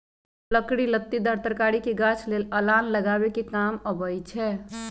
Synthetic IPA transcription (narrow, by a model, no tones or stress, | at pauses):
ləkɽilət̪ːid̪ʱəɾt̪əɾkaɽikeɡat͡ʃʰleləlanləɡabekekaməbəjt͡ʃʰɛ